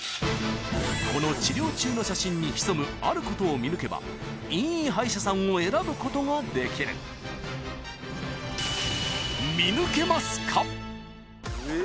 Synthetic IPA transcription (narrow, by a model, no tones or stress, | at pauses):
ko̞no̞t͡ɕiɾʲo̞ːt͡ɕɨːno̞ɕaɕĩɲ̟ːiçi̥so̞mɯ̟aɾɯ̟ko̞t̪o̞ːmʲinɯ̟ke̞ba̰ | ĩɰ̃ĩɦaiɕasãɰ̃o̞e̞ɾabɯ̟ko̞t̪o̞ŋad̪e̞kʲiɾɯ̰ | mʲinɯ̟ke̞masɨ̥kʰa